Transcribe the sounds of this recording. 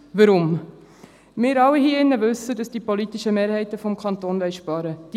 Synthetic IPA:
vəɾʊm | mɪːɾɑwːihiːɪnːəvɵsədɑsd̥iːpolitɪʃəmeːɾhɛɪtəfɔmkʰɑnt̪oːnvɛɪʃpɑɾəd̥i

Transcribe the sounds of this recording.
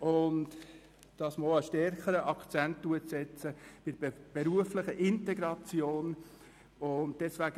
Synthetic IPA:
ʊnt | d̥ɑsməoəʃtɛɾkəɾəʔɑkt͡sɛntd̥uəsɛt͡səb̥ɪdb̥eɾuəflɪχəʔɪntɛɡɾɑt͡sjoːn | ʊnt̚d̥ɛsʋæɡə

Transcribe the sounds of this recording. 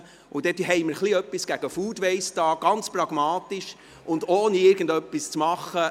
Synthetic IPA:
ʊd̥ɛtɦɛɪməɾχliœpːisɡ̥æɡ̥əfuːdʋɛɪstɑːɡ̥ɑnt͡sprɑɡmɑːtiʃ | ʔʊndoːnəɪɾɡən̩dœpːist͡smɑχːə

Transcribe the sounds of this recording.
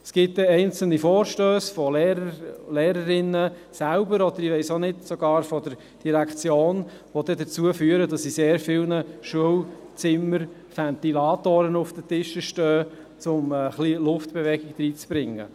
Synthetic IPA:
sɡ̥ɪt̚d̪ɛɛɪnt͡sl̩nifɔːɾʃtøːsfɔleːɾəleːɾəɾɪnəsæʊbəɾɔd̥̪əɾiʋɛɪsonɪdsoɡ̥ɑːɾfɔd̥əɾ | d̥iɾækt͡sjoːn | ʋod̥̪ɛdət͡suəfyːəɾədɑsiseːɾfɪlnəʃuəwt͡sɪməɾ | fænt̪ilɑːt̪oːɾənʊfd̥ətɪʃəʃtœː | t͡sʊmɛχliːlʊftb̥ɛʋɛɡɪk̚d̥ɾiːt͡sb̥ɾɪŋːə̰

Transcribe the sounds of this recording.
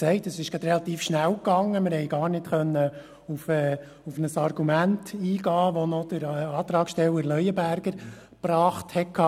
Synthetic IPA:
sɛɪtəsɪʃɡ̥ɑd̪ɾɛlɑt̪iːfʃnæwkɑŋːəmɪɾhɛjɡɑːɾnɪtχœnːə | ufɛː | ufnəsɑrɡumæntiːɡɑːʋɔnɔd̪̥əɾɑːt̪ɾɑːksʃtɛlːəɾlœjəbæɾɡəɾ | pɾɑːχthɛkʰɑː

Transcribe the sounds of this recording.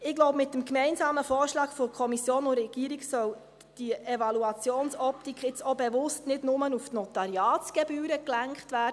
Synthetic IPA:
ɪɡloʊbmɪtːəmkmɛɪnsɑːməfoːɾʃlɑːɡfɔɾkʰɔmisjoːnʊrɛɡ̥iːɾiksœ | d̥iʔevɑluɑt͡sjoːnsɔptikχɪt͡sobɛʋʊstnɪdnʊmənuftnɔtɑɾjɑːt͡sɡ̥ɛbyːɾəklæŋkχtʋæː

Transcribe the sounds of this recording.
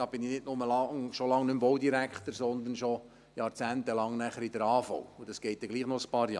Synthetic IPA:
ɑb̥ɪninɪtnʊməlɑŋʃolɑŋnʏmbɔwd̪iɾækχt̪əɾsɔnd̪ənʃo | jɑːɾt͡sæːnt̪əlɑŋnæχəɾid̥̪əɾɑːfɔ̰wʊd̥ɑsɡ̥ɛɪt̪̚dɛɡliːχnɔəspɑːɾjɑ̰ː

